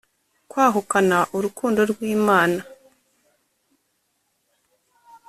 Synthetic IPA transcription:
kwaːɦukanaʔuɾukʰuːndo̞ɾɡwiːmaːna

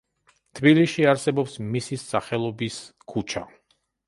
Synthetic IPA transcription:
t̪ʰbiliʃiaɾsɛbɔpsmisisaχɛlˠɔbiskʰut͡ʃʰa

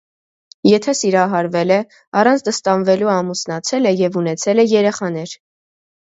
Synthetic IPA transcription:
jɛt̪ʰɛsiɾɑɦɑɾvɛlɛ | ɑrɑnt͡sʰd̪əst̪ɑnvɛluɑmusnɑt͡sʰɛlɛjɛvunɛt͡sʰɛlɛjɛɾɛχɑnɛɾ

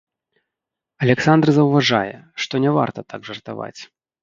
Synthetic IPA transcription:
ɐlʲɛksand̪rzɐwvaʐajɛ̰ʂt̪ɔnʲɛva̰rt̪ɐt̪aɡʐɐrt̪a̰va̰t͡sʲ

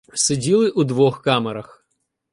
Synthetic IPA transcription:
sedʲilˠɪʔud̪ʋɔxkɑmeɾɐx

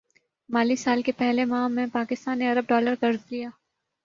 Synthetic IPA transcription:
maːlisaːlkepɛɦlemãːmɛ̃paːkɪst̪aːnːeɐɾəb̚ɖɔːləɾkɐɾzlijaː

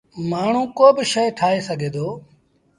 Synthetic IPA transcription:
maːɳ̤ũːkoːbɪʃəjʈʰaːeːsəɡʱeːd̪oː

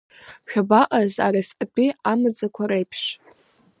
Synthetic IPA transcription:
ʃᶣabaqʼaza̰ɾasʼapʼiamɨd͡zakʷʰaɾejpʰʂ

